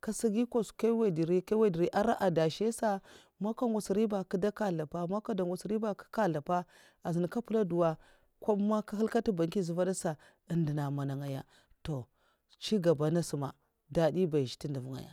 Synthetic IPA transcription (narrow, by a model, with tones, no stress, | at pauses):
ka˨si˦ɡi˦ko˦ska˦we˦˨di˨ɾi˦kwe˦˨di˨ɾi˦ʔa˦ɾa˦ʔa˨da˨ʃe˦sa˦ | ma˦ka˦ŋɡʷa˨si˨ɾi˦ba˨ki˦da˦ka˦ɮa˨pa˦ma˦ka˦da˨ŋɡʷa˨sɾi˦ba˦˨ki̥˦ka˦ɮa˨pa˦ | a˨zi˨n˨ka˦pu˦la˦du˨wa˦ | kʷa˦ma˦ka˦ɦi˦lka˦ti˦ba˨ŋki˦zu˨va˦da˦sa˨ | i˨ndi˨na˨ma˨na˨ŋa˨ja̰˨ | to˨ | t͡ʃi˦ɡa˨ba˨na˦si˨ma̰˨ | da˨di˦ba˨ʃi̥˨ti˦ndu˨vu˦˨ŋa̰˨ja̰˨